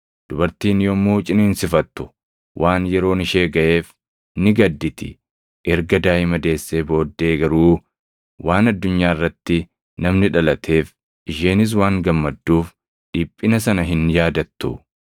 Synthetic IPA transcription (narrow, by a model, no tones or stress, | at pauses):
d̪̥ʊbɐɾt̪iːnjɔmːuːt͡ʃʼɪneːnsɪfɐt̪ːʊ̥ | wʔaːnjɛɾo̞ːnɪʃe̞ːɡɐʔeːf | nɪɡɐd̪ːɪt̪ɪ̰ | ʔɛɾɡɐd̪aːʔɪmɐd̪e̞ːsːeːbo̞ːd̪ːe̞ːɡɐɾuː | waːnɐd̪ːʊɲːaːɪrːɐt̪ːɪ | nɐmnɪᶑɐlɐt̪ʰe̞ːf | ʔɪʃeːnɪs̬waːŋɡɐmːɐd̪ːuːf | ᶑiːpʼːɪnɐsɐnɐɦɪnjaːd̪ɐt̪ːʊ̰